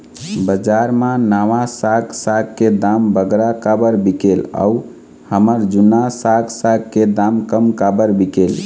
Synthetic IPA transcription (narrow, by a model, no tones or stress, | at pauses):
bəd͡ʒaɾmãnaʋasaɡsaɡked̪ambəɡɾakabəɾbikela̰u | həməɾd͡ʒunasaɡsaɡkːed̪amkəmkabəɾbikel